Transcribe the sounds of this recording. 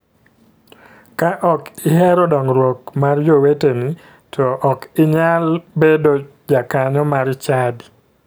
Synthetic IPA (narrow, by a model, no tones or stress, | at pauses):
kaʔɔkɪɦɛɾɔdɔŋɾwokmard͡ʒoweteni | tʰɔʔɔkɪɲalbedo | d͡ʒakaɲɔmaɾt͡ʃadi